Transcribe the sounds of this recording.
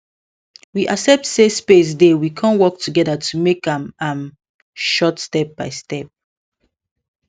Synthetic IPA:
wiʔasɛp̚tsespes̬dewikʰãnwɔk̚tʰuɡɛdətʰumekãmãm | ʃɔtstɛp̚b̥aɪstɛp̚

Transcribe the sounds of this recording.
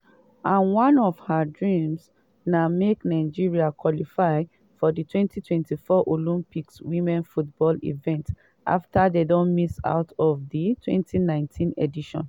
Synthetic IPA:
ãnwãnɔv̥hadɹĩms | nameknaɪd͡ʒiɹiakwɔlifaɪ | fɔditʰwɛ̃ntʰitwɛ̃ntifɔʔolũmpikswĩmɛ̃nfutbɔlḭvɛ̃nt | ʔa̰ftadedõnmisa̰ʊtʰɔvditʰwɛ̰̃ntʰinãɪ̃ntʰĩnediʃɔ̰̃n

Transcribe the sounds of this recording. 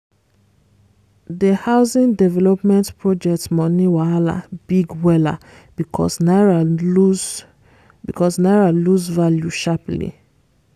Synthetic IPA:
dəhaʊsĩndɛvɛlɔpmɛ̃ntpɹɔd͡ʒɛk̚tmɔniwaala̰biɡwɛla̰ | bikʰɔ̰snaɹau | bikɔsnaɹaluzvaljuʃaplḭ

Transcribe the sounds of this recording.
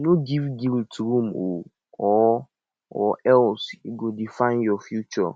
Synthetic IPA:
nõɡivɡiltʰɾũmo | ɔ | ɔɛlsuɡodifãɪ̃njɔfjut͡ʃɔ̰

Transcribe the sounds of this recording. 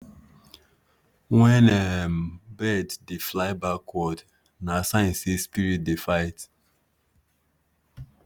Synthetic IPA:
wɛ̃nɛmbɛddeflaɪbakʰːɔd | nasãɪ̃nsespiɹit̚defaɪt

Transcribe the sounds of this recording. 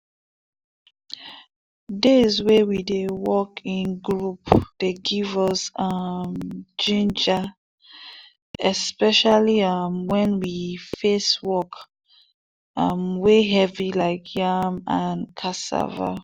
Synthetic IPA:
dezwewidewɔkʰĩnɡɹupd̥eɡivɔsʌmd͡ʒĩnd͡ʒa | ɛspɛʃaliʌmwɛ̃nwifeswɔk | ʌmweɦɛvilaɪkʰjamankʰasa̰va̰

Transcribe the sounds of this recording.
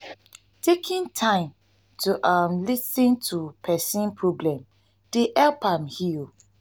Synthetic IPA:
tʰekʰĩntʰãɪ̃m | tʰuʔamlisĩntʰupʰɛsĩnpʰɹoblɛ̃m | d̥eʔɛlpãmhil

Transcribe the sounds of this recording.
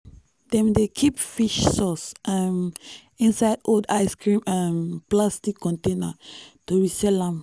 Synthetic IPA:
dɛ̃mdekʰipfiʃsɔsʔãm | ĩnsajdodajskɹĩmɛ̃mplastikːɔ̃ntẽnətuɹisɛlãm

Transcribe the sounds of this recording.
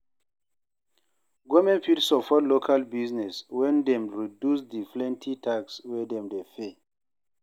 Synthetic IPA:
ɡɔmɛ̃npipsɔpɔtlokʰalbiznɛswɛ̃ndɛmɹidusdiflɛ̃ntʰitʰakswɛdɛ̃mdefe

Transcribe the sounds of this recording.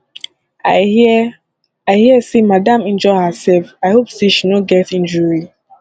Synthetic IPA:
aɪhiəsemadãmɛ̃nd͡ʒɔɪhəsɛlfaɪhopseʃinoɡɛtĩnd͡ʒɔɹi

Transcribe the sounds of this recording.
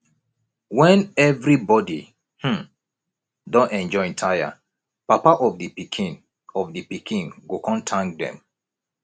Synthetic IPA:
wɛ̃nɛvɹibɔdi | h̩ | dɔ̃nɛ̃nd͡ʒɔ̃ntʰaja̰ | papaʔɔvdipikʰĩn | ɔvdipikʰĩŋɡokɔ̃ntʰãŋk̚dɛ̰̃m

